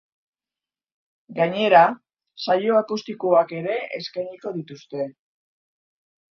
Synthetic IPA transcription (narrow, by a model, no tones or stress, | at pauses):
ɡaɲe̞ɾa | sajo̞akust̪ikuake̞ɾe̞eskajɲiko̞ðit̪ust̪e̞